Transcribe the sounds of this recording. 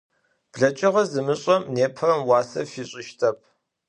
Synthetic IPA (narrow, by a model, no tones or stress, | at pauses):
b̥ɮɐt͡ʃʼɪʁɐzɨmɨɕʼɐmneːpʰɨrɐmwɑːsɐ̰fiːɕʼɪʃtʰʼɐp̚ʰ